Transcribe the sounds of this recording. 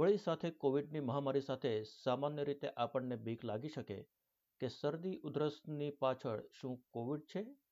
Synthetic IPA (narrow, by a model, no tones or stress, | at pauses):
ʋəɭisat̪ʰekoʋiɖ̚niməɦamaɾisat̪ʰesamanjəɾit̪eʔapəɳnebʱiklaɡiʃəkḛ | kesəɾd̪iʔʊd̪ɾəsnipat͡ʃʰəɭʃũkoʋiɖ̚t͡ʃʰe